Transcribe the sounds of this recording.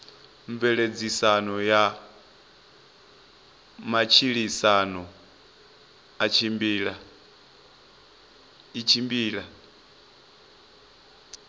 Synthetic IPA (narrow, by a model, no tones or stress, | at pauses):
ɱvɛɺed͡zisanɔja | mat͡ʃʰiɺisanɔ | at͡ʃʰimbiːɺa | it͡ʃʰimbiːɺa